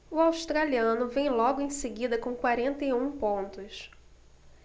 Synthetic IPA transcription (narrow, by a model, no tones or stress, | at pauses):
ʊawʃt̪ɾaliɐ̃nʊvẽj̃lɔɡʊẽj̃seɡid̪ɐkõkwaɾẽnt̪ejũpõnt̪ʊs